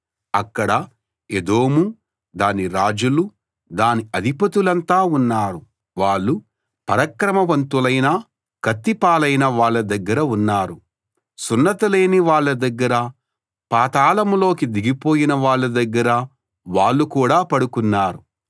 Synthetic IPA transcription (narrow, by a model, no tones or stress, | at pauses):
ɐkːɐɽɐ | ed̪o̞ːmu | d̪aːniɾaːd͡ʒulu | d̪aːniɐd̪ʱipɐt̪ulɐnt̪aːunːaːɾu | ʋaːɭːu | pɐɾɐkɾɐmɐʋɐnt̪ulɐjnɐ | kɐt̪ːipaːlɐjnɐʋaːɭːɐd̪ɐɡːɐɾɐunːaːɾu | sunːɐt̪ɐleːniʋaːɭːɐd̪ɐɡːɐɾɐ | paːt̪aːlɐmlo̞ːkid̪iɡipo̞ːjinɐʋaːɭːɐd̪ɐɡːɐɾɐ | ʋaːɭːukuːɽaːpɐɽukunːaːɾu